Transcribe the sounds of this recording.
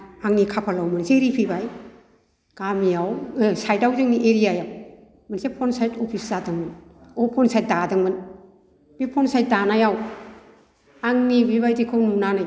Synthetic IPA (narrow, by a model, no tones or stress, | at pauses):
aŋnikʰapʰalawmɯnseɾipʰibaj | ɡ̥amijawsajtawzaŋniʔeɾijajaw | mansepʰɔnsajtopʰiszadɯŋmɯnopʰɔnsajt̚dadɯŋmɯn | b̥ipʰɔnsajt̚danajaw | aŋnibiβajtikʰɯwnunanaj